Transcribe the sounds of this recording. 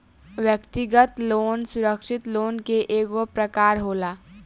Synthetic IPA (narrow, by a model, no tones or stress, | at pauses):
ʋjəkt̪ɪɡət̪loːnsʊɾəkʃɪt̪loːnkeʔeːɡopɾəkaːɾɦoːlaː